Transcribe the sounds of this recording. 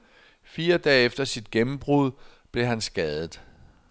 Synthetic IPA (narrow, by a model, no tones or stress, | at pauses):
fiːɐd̥ɛ̰ːefd̥ɐsid̥̚ɡ̥emm̩b̥ʁuð̞ˠb̥le̝ɦænsɡ̥ɛːð̞ˠð̩ˠ